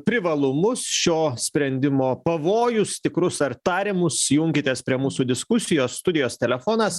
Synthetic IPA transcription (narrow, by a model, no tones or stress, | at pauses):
pʲɾʲɪʋɐlˠʊmʊsʃʲoːsʲpʲɾʲɛnʲd̪ʲɪmoːpɐʋoːjʊst̪ʲɪkɾʊsɐɾt̪ɑːɾʲɪmʊsjʊŋʲkʲɪt̪ʲeːspʲɾʲiɛmuːsuːd̪ʲɪskʊsʲɪjoːsːt̪ʊd̪ʲɪjoːst̪ʲɛlʲɛfoːnɐs